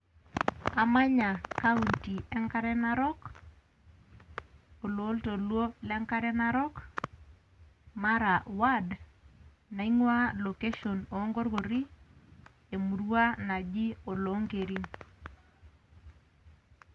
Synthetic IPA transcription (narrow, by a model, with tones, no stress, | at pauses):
a˨ma˦ɲa˨ka˦u˨nti˨ɛ˦ŋka˦ɾɛ˦na˦ɾɔ˦k | o˨lo˨˦lto˨lwo˦lɛ˦ŋka˦ɾɛ˦na˦ɾɔ˦k | ma˦ɾa˨wa˦d | na˨i˦ŋwa˦lo˨ke˦ʃo˨noː˨˦ŋɡo˦ɾɡo˨ɾi˦ | e˨mu˨ɾwa˦na˨d͡ʒi˦o˨lo˨˦ŋɡe˨ɾi˦n